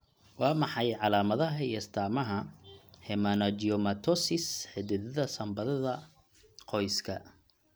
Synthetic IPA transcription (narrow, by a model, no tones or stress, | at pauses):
wɑːmɑħɑjʕɑlaːmɐðɐɦɐiɐst̪ʰaːmɐɦɐhɛmɐnɐd͡ʒiɔmɐt̪ʰɔsɪsħɪd̪ɪðɐðɐsɐmbɐðɐðɐ | qʰɔjskʰɐ